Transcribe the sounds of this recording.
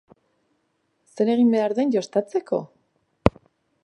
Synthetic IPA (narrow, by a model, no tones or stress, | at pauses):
se̞ɾe̞ɣimbeaɾðe̞nʝo̞st̪at͡se̞ko̞̰